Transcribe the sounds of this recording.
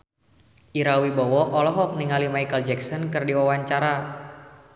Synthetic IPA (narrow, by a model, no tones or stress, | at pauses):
ʔiɾawibɔwɔʔɔlɔɦɔk̚niŋalimajkəld͡ʒɛksɔnkɨrdiwawaɲt͡ʃaɾa